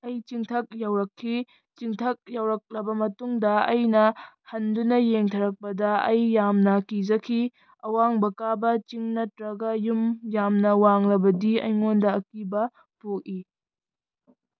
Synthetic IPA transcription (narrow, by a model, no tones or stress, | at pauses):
ɐjt͡ʃiŋtʰɐk̚jawɾɐkʰːi | t͡ʃiŋtʰɐk̚jawɾɐk̚lɐbɐmɐtuŋdɐɐjnɐhɐndunɐjeŋtʰɐɾɐk̚pɐdɐɐjːamnɐkid͡ʒɐkʰi | ɐwaŋbɐkabɐt͡ʃiŋnɐtɾɐɡɐjumjamnɐwaŋlɐbɐdiɐ̰jŋondɐɐkibɐ | pok̚i